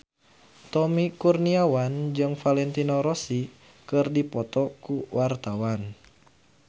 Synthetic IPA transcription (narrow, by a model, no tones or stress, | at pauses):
t̪ɔmikurniawand͡ʒɨŋfalɛnt̪inɔɾɔsi | kɨrdipɔt̪ɔkuwart̪awan